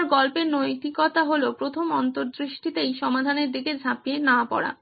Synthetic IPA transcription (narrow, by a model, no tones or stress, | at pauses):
ɾɡɔlpeɾnojt̪ikɔt̪aɦolopɾot̪ʰomɔnt̪oɾd̪ɾiʃʈit̪ejʃɔmad̪ʱaneɾd̪iked͡ʑʱapijenapɔ̰ɽa̰